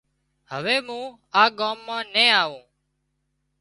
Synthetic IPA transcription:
həʋeːmũː | aːɠaːmːãːnẽːaːʋũː

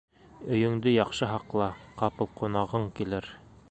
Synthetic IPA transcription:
ɵ̆jɵ̆ŋd̪ɵjɑχʃɤɦɑqlˠɑqɑpɤlˠqunɑʁɤɴkilɘɾ

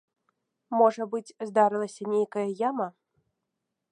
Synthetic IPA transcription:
mɔʐɐbɨt͡sʲzd̪aɾɨlˠɐsʲɐnʲejkɐjɐjamɐ

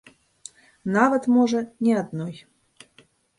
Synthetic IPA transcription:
navɐt̪mɔʐənʲɛad̪nɔj

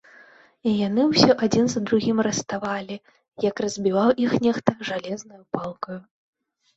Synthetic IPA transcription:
ijanɨwsʲɔʔad͡zʲinzɐd̪ɾuɣʲimrɐst̪avalʲi | jɐkrɐzʲbʲivawʔixnʲɛxt̪ɐʐalʲɛznɐjupalˠkɐju

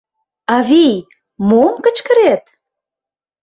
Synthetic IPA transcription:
ɑvij | momkə̆t͡ɕkə̆ɾet̪

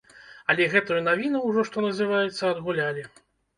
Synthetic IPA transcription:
ɐlʲɛɣɛt̪ujunavʲinɐwʐɔʂt̪ɔnɐzɨvajɛt̪sːɐɐd̪ɣulʲalʲi

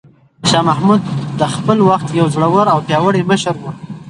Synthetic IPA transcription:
ʃɑmahmud̪̚d̪əxpəlwaxt̪jawzɽəwəɾawpjɑwəɽiməʃəɾwu

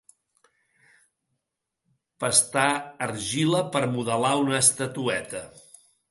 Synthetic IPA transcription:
pəst̪aːrʒiləpəɾmuðəlaunəːst̪ət̪uɛt̪ə

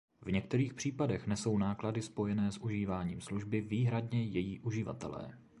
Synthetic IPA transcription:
vɲɛk̚t̪ɛɾiːxpr̝̥iːpadɛxnɛso̞wnaːkladɪspo̞jɛnɛːsʔuʒiːvaːɲiːmsluʒbɪviːɦɾadɲɛjɛjiːʔuʒɪva̰t̪ɛ̰lɛ̰ː

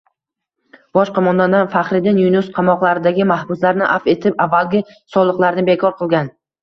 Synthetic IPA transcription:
b̥ɒʃqʰɒmɒnd̪ɒnd̪anfaχɾɪd̪ɪnjunusqʰɑmɒqlˠaɾɪd̪aɡʲɪmahbʊslaɾnɪʔafe̞t̪ʰɪpavːalˠɡʲɪ | sɒlˠɨqlˠaɾnɪbe̞kʰɒɾqʰɨlˠɡʲan

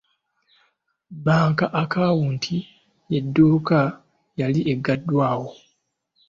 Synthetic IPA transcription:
baːŋkaʔakaːwuːntʰi | jedːuːka | jaliʔe̞ɡːadːwaːwo̞

